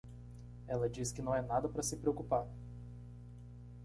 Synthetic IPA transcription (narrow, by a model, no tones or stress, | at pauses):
ɛlɐd͡ʒiskɪnɐ̃w̃ɛnad̪ɐpɾɐsɪpɾeokupaɾ